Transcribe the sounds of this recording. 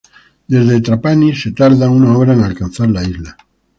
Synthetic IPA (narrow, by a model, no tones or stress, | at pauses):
d̪e̞zðet̪ɾapaniset̪aɾðaunaoβɾaenalkanθaɾlaizla